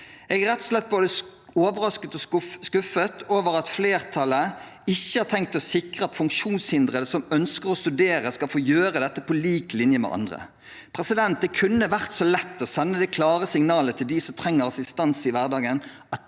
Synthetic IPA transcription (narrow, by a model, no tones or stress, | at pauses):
ɛɡæɾʁɛt̪ːɔ̥slɛt̪̚ːboːd̪əoːʋəʁɑskət̪ɔskʉfət̪ʰoːʋəʁɑt̪fleːʁt̪ʰɑlə | ɪçːəhɑʁt̪ʰɛŋk̚t̪ɔsɪkʁəɑt̪fʉŋkʃuːnshɪnd̪ʁəd̪əsɔmœnskəʁɔst̪ʉd̪eːɾəskɑlfoːjøːɾəd̪ɛt̪ːəpʰɔliːklɪnjəmɛ̰ʔɑ̰nd̪ʁə̰ | pʰʁɛsɪd̪ɛnt̪̚d̪ɛkʰʉnːəʋæʁt̪soːlɛt̪ːɔsɛnːəd̪ɛkʰlɑːʁəsɪŋnɑːlət̪ʰɪld̪ɪsɔmt̪ʰʁɛŋːəʁɑsɪst̪ɑnsɪʋæʁd̪ɑːɡən | ɑt̪